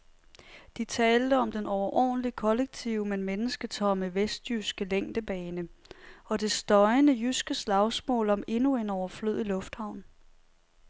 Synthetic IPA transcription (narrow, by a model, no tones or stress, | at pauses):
d̥it͡sʰɛːld̥əɒ̽md̥enɒʊɐʔɒ̰ːnəlikʰɒ̽leɡ̥̚t͡sʰiʊəmenmenəsɡ̥ət͡sʰɒ̽məʋesd̥jysɡ̥əleŋ̰d̥əb̥ɛːnəɒ̽d̥e̝sd̥ɒ̽ɪnəjysɡ̥əslɑ̈ʊsmɔ̰̽ːlɒ̽me̝nue̝nɒʊɐfløð̰ˠilɔ̽fd̥hɑ̈ʊ̰n